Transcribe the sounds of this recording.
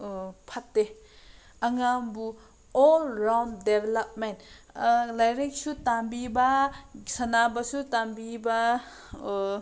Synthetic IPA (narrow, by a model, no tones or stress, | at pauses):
pʰatde | aŋambu | ɔlɾamdebelap̚ment | lajɾek̚sutambibasanabasutambiba